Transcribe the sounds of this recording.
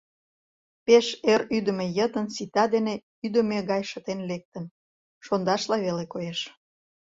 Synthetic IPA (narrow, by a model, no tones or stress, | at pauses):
peʃeryd̪ə̆mejət̪ənsit̪ɑd̪ene | yd̪əmeɣɑjʃət̪enlek̚t̪ən | ʃond̪ɑʃlɑβelekojeʃ